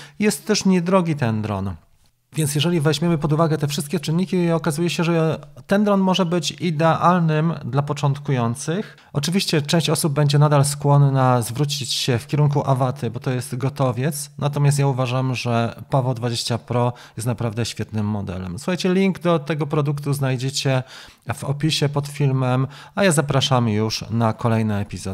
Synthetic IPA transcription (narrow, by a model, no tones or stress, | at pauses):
jɛst̪ːɛʂɲɛd̪ɾɔɡʲit̪ɛnd̪ɾɔ̰n | vʲjɛnt̪sjɛʐɛlʲivɛʑmʲemɘpɔd̪uvaɡɛt̪ɛfʂɘst̪̚kʲɛt͡ʂɘnːikʲiɔkazujɛɕɛʐɛt̪ɛnd̪ɾɔnmɔʐɛbɘt͡ɕid̪ɛʔalnɘmd̪lapɔt͡ʂɔnt̪kujɔnt̪sɘx | ɔt͡ʂɘvʲiɕt͡ɕɛt͡ʂɛ̃w̃ɕt͡ɕɔsub̚bːɛɲd͡ʑɛnad̪alskwɔnːazvɾut͡ɕit͡ɕɕɛfkʲɛɾuŋk̬uʔavat̪ʰɘbɔt̪ɔjɛst̪ɡɔt̪ɔvʲjɛt̪snʔat̪ɔmʲast̪jauvaʐamʐɛpavɔd̪vad͡ʑeɕt͡ɕapɾɔ | jɛst̪napɾavd̪ɛɕfʲjɛt̪nɘmːɔd̪ɛ̰lɛ̰msu̥xajt͡ɕɛlʲiŋɡd̪ɔt̪ɛɡɔpɾɔd̪ukt̪uznajd͡ʑɛt͡ɕɛ | v̥ɔ̰pʲiɕɛpɔt̪fʲilmɛm | ajazapɾaʂamjuʂnakɔlɛjnaɛpʲizɔ